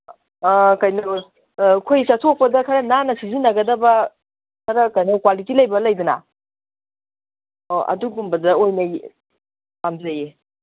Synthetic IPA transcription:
kɐjnow | kʰojsɐtʰok̚pɐdɐkʰɐɾɐnanɐsizinɐɡɐdɐbɐ | kʰɐɾɐkɐjnowkwalitilɐjbɐlɐjdunɐ̰ | oɐ̰duɡumbɐdɐojnɐj | amzɐje

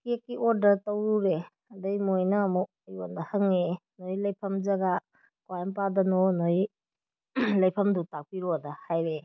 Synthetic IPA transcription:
kekːiʔɔɾdɐɾtɐwɾuɾe | ɐdɐjmojnɐːmu | ɐjondɐhɐŋenojlɐjpʰɐmzɐɡa | kwajnpadɐnonoi | lɐjpʰɐmdutak̚piɾodɐhajɾe

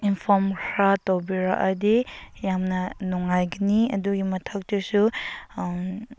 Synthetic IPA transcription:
inpʰɔmkʰɾatowbiɾa̰ʔɐdijamnɐnuŋajɡiniɐ̰duɡimɐtʰɐk̚tɯsu

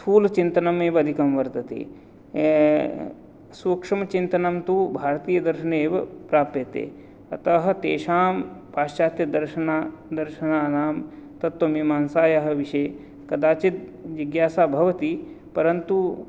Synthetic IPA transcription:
uːlt͡ʃint̪ɐnɐmeːbɐd̪ʱikɐmʋɐɾt̪ɐt̪ḛː | suːkʂɐmɐt͡ʃint̪ɐnɐmt̪ubʱaːɾt̪iːjɐd̪ɐɾʃɐneːʋɐpɾaːp̚t̪jɐt̪ḛː | ɐ̰t̪ɐɦɐ̆t̪ḛːʃaːmpaːʃt͡ʃaːt̪jɐd̪ɐɾʃɐnaːd̪ɐɾʃɐnaːnaːmt̪ɐt̪wɐmimaːnsaːjɐɦɐ̆ʋiʃe | kɐd̪aːt͡ʃit̪̚ʋiɡjaːsaːbʱɐʋɐt̪i | pɐɾɐnt̪u

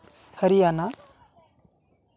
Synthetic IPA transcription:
həɾijana

